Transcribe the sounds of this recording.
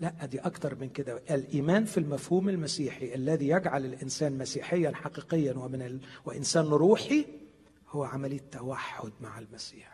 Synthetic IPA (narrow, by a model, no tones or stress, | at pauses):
læʔːæd̪iːʔɑkt̪ɑɾˤmɪnkɪd̪æʔɪlʔiːmæːnfilmæfhuːmɪlmæsiːħiʔalːæðiːjæɡʕalɪlʔɪnsæːnmæsiːħɪjːænħɑqiːqɪjːanwɪmɪnɪwɪʔɪnsæːnɾˤuːħi | hʊwːæʕamæliːt̪ːæwaħːʊd̪̚maʕɪlmæsiːħ